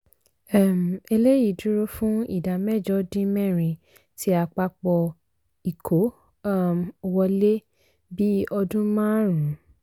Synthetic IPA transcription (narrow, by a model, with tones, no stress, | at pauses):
ɛ˦˨m˨e˧le˦ji˦˨du˦ɾo˦fũ˦ḭ˦˨da˨mɛ˦˨d͡ʒɔ˧˦dĩ˦mɛ̃˦˨ɾ̃ĩ˨ | ti˦a˧k͡pa˧k͡pɔ˧ | i˨kʰo˨˦˨ | m˧wɔ˧le˦ | bi˦ɔ˧dũ˦mãː˦ɾ̃ũ˨˦